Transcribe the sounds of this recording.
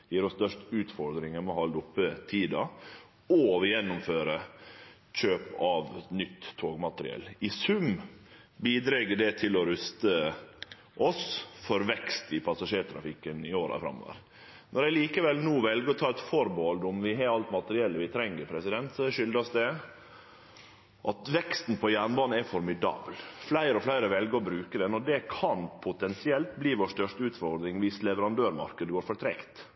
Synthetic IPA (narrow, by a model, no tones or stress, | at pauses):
jiːɾɔst̪œʂʈʉːt̪fɔɾd̪ɾɪŋəmɛɔhɑld̪ʊpːət̪ʰiːd̪ɑ̰ | ɔʋɪjɛnːʊmføːɾə | c͡çøːpɑʋnʏt̪ʰːoːɡmɑt̪əɾɪ̰ɛ̰lːɪsʉm | biːd̪ɾɛɡəɖɛt̪ʰɪlɔɾʉst̪ə | ʔɔsfɔɾʋɛkst̪ɪpʰɑsɑʂeːʈ̪ʰɾɑ̰fɪkːənɪoːɾɑ̰fɾɑ̰mːo̰ːʋə̰ɾ | nɔɾæɪliːkəʋɛlnuːʋɛlɡəɔt̪ʰɑːɛt̪fɔɾboːld̪ɔmʋɪɦɛɾɑlt̪mɑt̪əɾɪɛlːəʋɪt̪ʰɾɛŋːəɾpʰɾɛsɪd̪ɛnt̪sɔʂʏld̪ɾɑsd̪ɛ | ʔɑt̪ʋɛkst̪n̩pʰɔjæːɳbɑːn̩ɛfɔɾmɪd̪ɑ̰ːbəlflæɪɾəɔflæɪɾəʋɛlɡəɔbɾʉːkəd̪ɛnɔd̪ɛkʰɑnpʰʊt̪ɛnsɪɛlt̪̚bliːʋoːʂt̪œʂt̪əʉːt̪fɔɾd̪ɾɪŋʋɪslɛʋəɾɑnd̪øːɾmɑ̰ɾkəd̪əɡoːɾfɔʈ̪ʰɾɛ̰kt̪